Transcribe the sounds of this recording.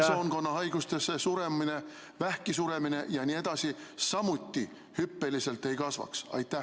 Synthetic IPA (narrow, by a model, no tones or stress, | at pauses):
so̞ːnko̞nːɑɦɑjɡ̥ust̪e̞sːesuɾe̞mine | væhkisuɾe̞mine̞jɑnʲiːe̞d̪̥ɑsisɑmut̪ʲːi | hypːe̞lise̞lt̪ːˑe̞jkɑsvɑ̰ksɑ̰jt̪ːˑæh